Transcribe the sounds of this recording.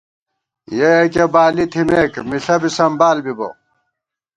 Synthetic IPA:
jeɐkɐbaːlit̪ʰimeːkmiɬɐbisɐmbaːlbibo̰

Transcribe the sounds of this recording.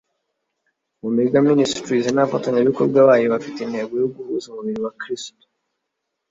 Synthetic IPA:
mumeɾiɡaministɾizenafataɲaβiko̞ɾbɡaβaːjoβafiteinhe̞ːɡo̞joɡuhuzumuβiɾiwakɾisto̥

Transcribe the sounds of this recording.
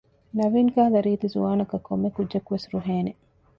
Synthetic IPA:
nɐʋiːŋkaːlɐɾiːt̪izṵʋaːnɐkɐkʰːomːekudd͡ʒʒɐkuʋesɾuɦeːne

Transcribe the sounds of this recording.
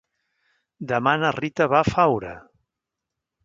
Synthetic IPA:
d̪əmanərit̪əβafawɾə̰

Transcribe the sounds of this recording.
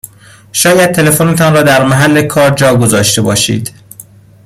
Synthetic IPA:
ʃɒːjæd̪̥̚t̪ʰe̞le̞fonet̪ʰɒːnɾɒːd̪æɾmæɦælːe̞kʰɒːɾd͡ʒɒːɡo̞zɒːʃt̪e̞bɒ̰ːʃḭːd̪̥

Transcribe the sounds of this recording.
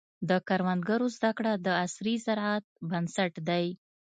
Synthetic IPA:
d̪əkaɾwand̪ɡaɾozd̪akɽad̪əasɾizaɾʕat̪̚bansaʈd̪aj

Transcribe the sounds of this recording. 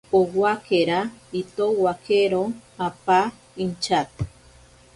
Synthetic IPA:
owakʰeɾait̪owakʰeɾoapa | int͡ʃat̪̚

